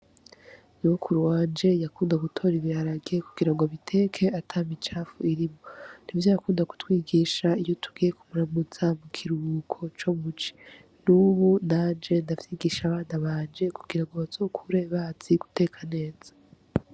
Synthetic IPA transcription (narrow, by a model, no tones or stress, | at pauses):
nuukʰuɾuwaːnd͡ʒe̞jakuːndaɡutʰo̞ːɾiβiaɾaɡe̞kuɡ̥iɾaŋɡoaβitʰe̞kʰe̞atʰaːmit͡ʃaːfuiɾimo̞n̥ivjojakuːndaku̥twiːɡiːʃaijo̞tʰuɡiːje̞kʰumuɾamuz̥amukʰiɾuβukʰo̞t͡ʃo̞mut͡ʃi̥ | nuβunaːnd͡ʒe̞ndavjiːɡiːʃaβaːnaβaːnd͡ʒe̞kuɡ̥iɾaŋɡo̞βaz̥o̞kʰuɾe̞βaːt͡siɡ̥u̥te̞kʰane̞ːz̥ḁ